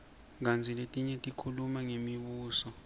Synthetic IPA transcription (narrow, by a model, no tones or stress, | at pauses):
ŋand͡zʱiletʼiɲɛtʼikʰulumaŋemiɓuːsɔ